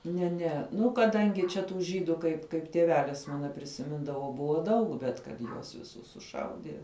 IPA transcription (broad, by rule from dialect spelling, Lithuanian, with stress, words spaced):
nʲɛ ˈnʲɛ ˈnʊ kɐˈdɐŋʲɡʲɪ t͡ʃʲɛ tuː ˈʒʲiːdʊ kɐɪp kɐɪp tʲiɛˈʋʲæːlʲɪs ˈmɑːnɐ pʲrʲɪsʲɪˈmʲɪndɐʋoː ˈbʊʋoː ˈdɐʊk bʲɛt kɐt ˈjuɔs ʋʲɪˈsʊs sʊˈʃɐʊdʲiɛ